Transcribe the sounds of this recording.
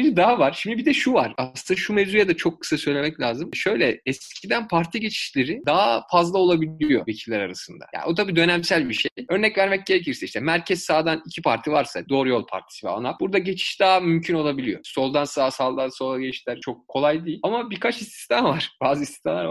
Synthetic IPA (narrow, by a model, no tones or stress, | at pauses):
d͡ʒid̪aɦavaɾ̥ʃimd̪ibid̪ɛʃuvaɾ̥aɯnaʃumezɾujad̪at͡ʃʰo̞kːɯ̥sasø̞jlʲemɛclʲaːzɯmʃø̞jlʲɛɛscʰid̪ænpʰaɾt̪ʰiɟe̞t͡ʃʰi̥ʃlʲe̞ɾid̪aɦafazlˠao̞lˠabilʲijo̞̰ve̞cʰillʲæɾaɾasɯnd̪a̰ja̰ːniot̪ʰabiːd̪ø̞nɛmsælʲbiʃejø̞ɾnɛcvæɾmɛc̚ɟe̞ɾec̬ʰiɾsɛiʃt̪ʰɛmæɾcʰɛzsaːd̪anicʰipʰaɾt̪ʰivaɾsad̪o̞ːɾujo̞lˠpʰa̰ɾt̪ʰi̥sivɛ̰a̰nˠap̚buɾd̪aɟe̞t͡ʃʰi̥ʃd̪aɦamymcʰyno̞lˠabilʲijo̞̰so̞lˠd̪ansasalˠd̪anso̞lˠaɟeliʃlʲæɾt͡ʃʰo̞kʰːo̞lˠajd̪ijilʲamabikʰat͡ʃist̪ʰi̥st̪ʰamvaɾ̥b̥aːzɯist̪i̥st̪ʰanˠaɾva